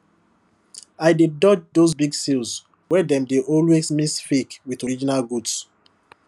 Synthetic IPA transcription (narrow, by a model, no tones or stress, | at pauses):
aɪdidɔd͡ʒdozbiɡsils | wɛdɛ̃mdeʔɔlwesmisfikwiðɔɹid͡ʒinalɡuds